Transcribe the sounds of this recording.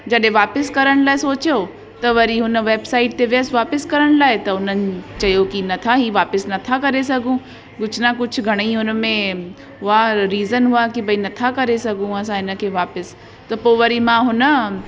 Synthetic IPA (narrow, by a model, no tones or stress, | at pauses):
d͡ʒɐɗẽʋaːpɪskɐɾəɽ̃laːesoːt͡ʃjo | t̪ɐʋɐɾiɦʊnʋeːbsaːɪʈ̚t̪eʋjəsʋaːpɪskɐɾəɽ̃laːet̪ɐʊnənt͡ʃɐjokinɐt̪ʰaɦiʋaːpɪsnɐt̪ʰakɐɾesɐɡʱũ | ɡʊt͡ʃʰnakʊt͡ʃʰɡʱɐɽ̃iɦʊnmẽ | ɦʊaɾiːzənɦʊakibʱɐinɐt̪ʰakɐɾesɐɡũɐs̬ãɪnə̆kʰeʋaːpəs | t̪ɐpoːʋɐɾimãɦʊnə